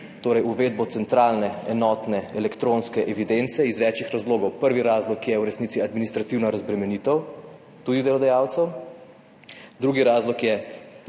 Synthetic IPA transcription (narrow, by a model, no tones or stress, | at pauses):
t̪oːɾɛjuʋeːd̪̚bɔt̪sɛnt̪ɾaːlnɛɛnɔːt̪nɛɛlɛkt̪ɾonskɛʔɛʋid̪ent̪sɛizʋɛt͡ʃixɾazloːɡɔwpəɾʋiɾazlɔkjɛwɾɛsniːsiad̪minist̪ɾat̪iwnaɾazbɾɛmɛnit̪əw | t̪ud̪id̪ɛlɔd̪ajaːwt̪sɛw | d̪ɾuɡiɾaːzlɔkjɛ